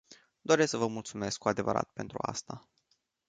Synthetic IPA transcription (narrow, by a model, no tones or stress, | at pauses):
d̪o̞ɾesksəvəmult̪sume̞skkːuad̪e̞və̰ɾa̰t̪̚pe̞nt̪ɾua̰st̪a